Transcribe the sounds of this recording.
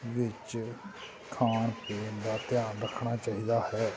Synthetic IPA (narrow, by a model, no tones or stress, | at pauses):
ʋɪt͡ʃ | kʰaːɳpeːnd̪aːt̪ɪjaːnɾəkʰɳ̃aːt͡ʃaːɦiːd̪aːhɛː